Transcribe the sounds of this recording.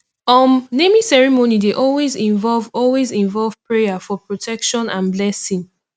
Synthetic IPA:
ɔmnemĩsɛɹimonideʔɔlwezĩɱvɔlvɔlwezĩɱvɔlv̥pɹejafɔpɹotʰɛkʃɔ̃nãnblɛsĩŋ

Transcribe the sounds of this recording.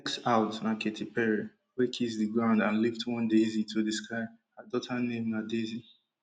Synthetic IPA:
ksaʊtnaketʰipɛɹi | wekʰisdɨɡɹãʊ̃ndãnliftʰwɔ̃ndezitʰuðɨskaɪ | hadɔtʰanẽmnadezi

